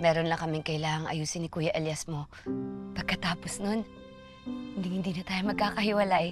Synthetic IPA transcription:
mɛːɾonlɐŋkɐmɪŋkɐɪlaːŋɐŋʔɐ̰juːsɪnɪkuːjɐʔɛljasmo | pɐɡ̚kɐt̪aːposnon | hɪnd̪ɪŋhɪnd̪iːnɐt̪aːjomɐɡ̚kaːkɐhɪwɐlaʔɛ

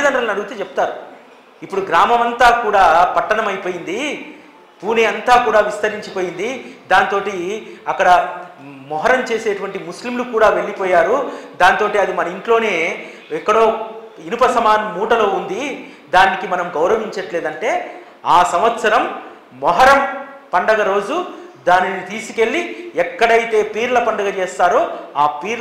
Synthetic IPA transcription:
d̪ɐɳɖɾɐlɐnɐɽuɡut̪eːt͡ʃɛput̪aːɾu | ipːuɽuɡɾaːmɐmɐnt̪aːkuːɽaːpɐʈːɐnɐmɐjpo̞ːjind̪i | puːneːɐnt̪aːkuːɽaːʋist̪ɐɾiɲt͡ʃipoːjind̪id̪aːnit̪o̞ːʈiɐkːɐɽɐ | mɔɦɐɾɐmt͡ʃe̞ːse̞ːʈuʋɐɳʈimuslimlukuːɽaːʋe̞ɭːipɔːjaːɾud̪aːnit̪o̞ːʈiɐd̪imɐnɐiɳʈlo̞ːne̞ː | ɛkːɐɽo̞ːinupɐsɐmaːnmuːʈɐlo̞ːund̪i | d̪aːnikimɐnɐmɡɐwɾɐʋiɲt͡ʃɐʈleːd̪ɐɳʈe̞ː | aːsɐmʋɐt̪sɐɾɐm | mɔɦɐɾɐmpɐɳɖɐɡɐɾo̞ːd͡ʒud̪aːninit̪iːsu̥ke̞ɭːiɛkːɐɽɐjt̪e̞ːpiːɾlɐpɐɳɖɐɡɐt͡ʃeːst̪aːɾo̞ːaːpiːɾ

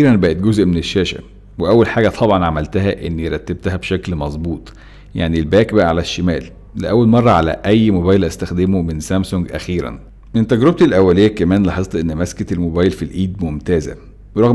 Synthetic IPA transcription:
iːɾænbæʔet̪̚ɡozʔmeneʃːæːʃæ̰ | weʔæwːælħaːɡæt̪ˤʰɑbʕɑnʕamælt̪æɦæʔenːieɾˤɑt̪ːeb̚t̪æhæbʃæklmɑzˤbuːt̪ˤ | jaʕnilbæːkbæʔæʕalæʃːemæːl | leʔæwːælmɑrˤːɑʕalæ̰ʔæjːmobæːjlʔæst̪æxd̪emomensæmsoŋɡʔæ̰xiːɾæ̰n | ʔent̪æɡɾob̚t̪ilʔæwːælejːækæmæːnlħet̪ˤːʔenːmæskæt̪elmobæːjlfilʔiːd̪momt̪æːzæ̰ | ɾˤɑɣ

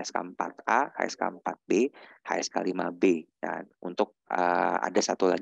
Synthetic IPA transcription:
aska̰mpa̰t̪aha̰jɛ̰ska̰mpat̪̚behajɛskalimabeka̰nunt̪ʊk̚əa̰dasat̪ulaɡ

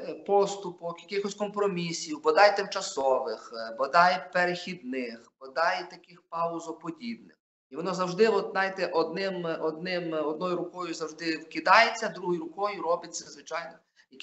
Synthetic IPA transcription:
pɔst̪ʊpɔkjɐkɪxɔsʲkɔmpɾɔmʲisʲiwbɔd̪ɑjt̪ɪmt͡ʃɐsɔʋɪxbɔd̪ɑjpeɾexʲid̪nɪxb̥ɔd̪ɑjt̪ɐkɪxpɑʊzɔpɔdʲibnɪx | iʋɔnɔzɐwʒd̪ɪʋɔt̪nɑjt̪ɛʔɔd̪nɪmɔd̪nɪmɔd̪̚nɔjʊɾʊkɔjʊzɐwʒd̪ɪwkɪd̪ɑjet͡sʲːɐd̪ɾuɦɔjʊɾʊkɔjʊɾɔbɪtʲt͡sʲːɐzʋɪt͡ʃɑjnɔ | jɐk

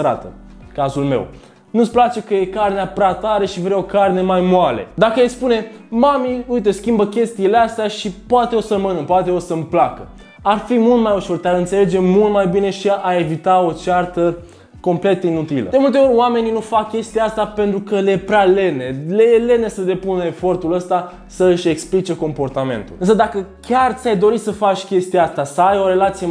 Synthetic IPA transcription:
ɾa̰t̪ə̰ | kazulme̞̰w | nusplat͡ʃe̞kəje̞karneapɾʲat̪aɾeʃivɾeo̞karne̞majmwalḛd̪akəjejspune̞ | mamiujt̪əskʲimbəkʲe̞st̪iːleast̪eaʃipoat̪e̞osəmənɨmpoat̪e̞o̞səmplakə | arfimult̪majuʃo̞rt̪eaɾɨnt̪se̞led͡ʒe̞mult̪majbine̞ʃiae̞vit̪ao̞t͡ʃart̪ə | ko̞mple̞t̪ːinut̪ilə̰d̪emult̪e̞o̞rʲoame̞ninufakʲːe̞st̪ijaast̪ape̞nt̪ɾukəleepɾʲeale̞nelejele̞ne̞səd̪e̞punəefo̞rt̪uləst̪a | səɨʃe̞ksplit͡ʃe̞ko̞mpo̞rt̪ame̞̰nt̪ṵlɨnsəd̪akəkʲart̪ʲajd̪o̞ɾisəfat͡ʃʲkʲe̞st̪ijaast̪asəajo̞ɾe̞lat̪sije

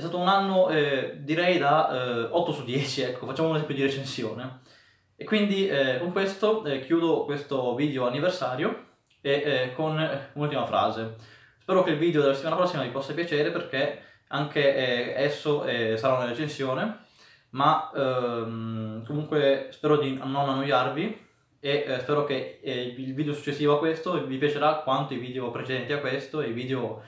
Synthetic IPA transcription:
ɛst̪aːt̪ounanːoɛd̪iɾɛjd̪aɔt̪ːosud̪ːjɛːt͡ʃiɛkʰːofat͡ʃːamounzɛmpjod̪iɾet͡ʃensjoːne | ekːwind̪iɛkoŋkwest̪ok̟juːd̪okwest̪oviːd̪eoanːiversaːɾjo | ekːonunult̪imafɾʔa̰ːze | spɛːɾokeilviːd̪eod̪elaset̪ianapɾɔsːimavipɔsːapjat͡ʃeːɾeperke | aŋkeɛaɛsːoɛsaɾaunaɾet͡ʃensjoːne | ma | mkomuŋkwespɛːɾod̪inonanːojːarvi | espɛːɾok̟eilviːd̪eosu̥t͡ʃːesːiːvoakːwest̪ovipjat͡ʃeɾakːwant̪oiviːd̪eopɾet͡ʃed̪ɛnt̪iakːwest̪oeviːd̪eo

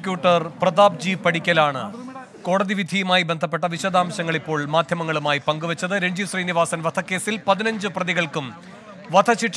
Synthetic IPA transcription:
kʲjuːʈːɐrprɐðaːb̚d͡ʑiːpɐɽikʲːɐlaːɳɨ̰ | ko̞ːɽɐðiʋid̪ʱijumaːjibe̞nd̪ʱɐpːeʈːɐʋiɕɐd̪aːmɐɕɐŋːɐɭipːo̞ːɭmaːd̪ʱjɐmɐŋːɐɭumaːjipɐŋɡuʋɐt͡ɕːɐðɨɾeɲd͡ʑusriːniʋaːsɐnʋɐt̪ʰɐkːe̞ːsilpɐðinɐɲd͡ʑɨprɐðiɣɐɭkum | ʋɐd̪ʰʱɐt͡ɕiʈː

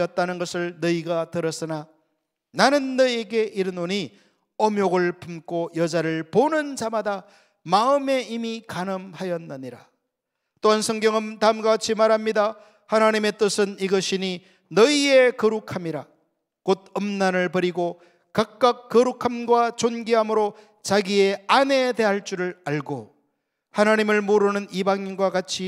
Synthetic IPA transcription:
jʌt̚t͈anɯnɡʌsʰɯɭnʌiɡatɯɾʌs͈ɯna | nanɯnːʌieɡe̞ʔiɾɯnoɲi | ʌmjoɡɯɭpʰumk͈ojʌd͡ʑaɾɯɭponɯnd͡ʑamada | maɯme̞imikanɯmhajʌnːɯɲiɾa̰ | t͈oɦansʰʌŋɡjʌŋɯntaɯmɡat͡ɕʰimaɾamɲida | hanaɲime̞t͈ɯsʰɯniɡʌɕʰiɲi | nʌie̞kʌɾukʰamiɾa | kod̚ʌmnanɯɭpʌɾiɡo | kak̚k͈ak̚k͈ːʌɾukʰamɡwat͡ɕonɡiɦamɯɾo | t͡ɕaɡie̞ane̞de̞ɦaɭt͡ɕ͈uɾɯɭaɭɡo | hanaɲimɯɭmoɾɯnɯnibaŋinɡwakat͡ɕʰi

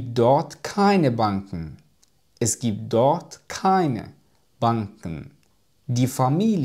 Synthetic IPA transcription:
p̚d̥ɔɐtkʰaɪnəbaŋkŋ̩ | ʔɛsɡ̥iːp̚t̚d̥ɔɐtkʰaɪnə̰ | b̥aŋkn̩ | diːfamiːl

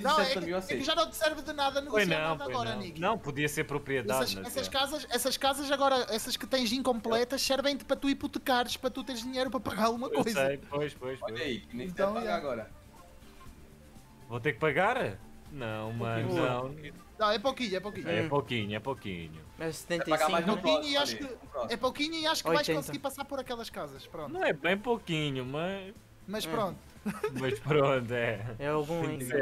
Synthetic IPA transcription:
nɐ̃w̃ɛɐiɔsekʒanɐ̃w̃t̪sɛɾvðɨnaðɐnuojnɐ̃w̃pt̪aojʒɣɔɾɐñiknɐ̃w̃puðiɐseɾpɾupɾieðaðɐʃɐɛsɐʃkazɐʃɛsɐʃkazɐʃɐɣɔɾɐʔɛsɐʃkɨt̪ẽj̃zĩŋkõmplˠɛt̪ɐʃsɛɾvẽj̃t̪ɨpɾɐt̪uiput̪ɨkaɾʃpɾɐt̪ut̪eɾʒðiɲejɾupɾɐpɐɣaɾalˠɣumɐkkojzejpojʃpojʃpɔojɐikñẽt̪ɐ̃w̃aɾɐɣɔɾɐ | vot̪eɾk̚pɐɣaɾ | nɐ̃w̃mɐʃnɐ̃w̃ | nɐ̃w̃ɛpokiɲuɛpokiɲɛpokiɲuɛpokḭɲṵɐst̪ẽipɐaɾajʒpokiɲuiaʃkpɾõɛpokiɲuiaʃu̥kkovajʃtkõsɣiɾpɐsaɾpɔɾɐkɛlˠɐʃkazɐʃpɾõnnɐ̃w̃ɛbɐ̃j̃pokiɲumɐʃ | mɐʃppɾõnt̪u̥ | mɐʃpɾõnt̪uɛɛalˠɣũize

